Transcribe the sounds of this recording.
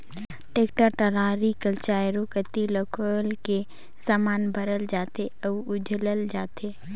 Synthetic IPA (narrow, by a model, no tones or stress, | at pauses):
ʈeːkʈəɾʈəlaːɾikəlt͡ʃaːjɾokət̪iləkʰolke | saːmaːnbəɾəld͡ʒaːt̪eəʊd͡ʒʱləld͡ʒaːt̪e